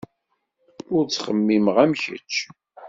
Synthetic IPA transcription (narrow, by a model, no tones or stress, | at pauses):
ʊɾt͡sːχəmːimʁæmçə̰t͡ʃː